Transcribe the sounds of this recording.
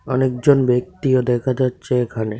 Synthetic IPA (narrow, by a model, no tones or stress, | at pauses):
ɔnekd͡ʑonbek̚t̪iod̪ɛkʰad͡ʑatːɕʰeekʰane